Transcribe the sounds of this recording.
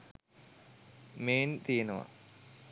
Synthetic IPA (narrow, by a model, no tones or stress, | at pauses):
meːnt̪ijenɐʋa̰